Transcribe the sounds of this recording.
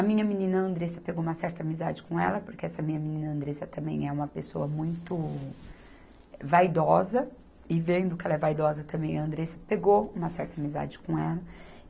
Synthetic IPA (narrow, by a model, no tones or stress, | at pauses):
ɐmĩɲɐminĩnɐɐ̃nd̪ɾesɐpeɡoũmɐsɛɾt̪ɐamiza̰d͡ʒɪkõɛ̰lɐpʊɾkeɛsɐmĩɲɐminĩnɐɐ̃nd̪ɾesɐt̪ɐ̃mbḛ̃j̃ɛũmɐpesoɐmũj̃t̪ʊ | vajd̪ɔzɐ | ɪvẽnd̪ʊkɪɛlɐɛvajd̪ɔzɐt̪ɐ̃mbẽj̃ɐɐ̃nd̪ɾesɐpeɡowũmɐsɛɾt̪ɐamiza̰d͡ʒɪkõɛlɐ